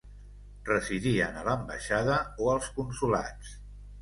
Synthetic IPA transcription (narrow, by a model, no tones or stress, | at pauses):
rəziðiənələmbə̰ʃaðəoəlˠskunsula̰t͡s